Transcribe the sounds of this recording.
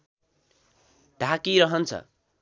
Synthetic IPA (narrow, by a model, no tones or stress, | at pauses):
ɖ̥ʱakiɾʌɦʌnt͡sʰʌ̰